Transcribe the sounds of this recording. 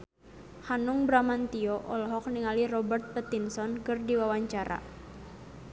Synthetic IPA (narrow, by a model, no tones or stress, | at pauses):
hanuŋbɾamant̪iɔʔɔlɔɦɔk̚niŋalirɔbərt̪̚pət̪insɔnkɨrdiwawaɲt͡ʃaɾʔa̰